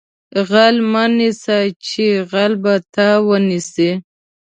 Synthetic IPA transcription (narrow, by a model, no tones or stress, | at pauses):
ɣalmanisat͡ʃeɣalbat̪awənise